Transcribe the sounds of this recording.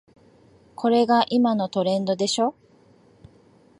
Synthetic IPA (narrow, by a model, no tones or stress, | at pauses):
kʰo̞ɾe̞ɡaʔimano̞t̪o̞ɾẽ̞nd̪o̞d̪e̞ɕo̞